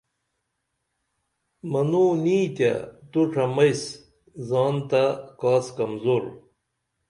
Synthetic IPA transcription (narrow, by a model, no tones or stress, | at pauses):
mɐnuniːt̪ja̰t̪uʈ͡ʂʰɐmɐjs | zɑːnt̪akaːskɐmzoːɾ